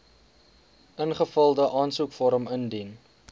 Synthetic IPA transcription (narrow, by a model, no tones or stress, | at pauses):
ənχəfəlˠdəʔɑːnsukfɔɾəməndin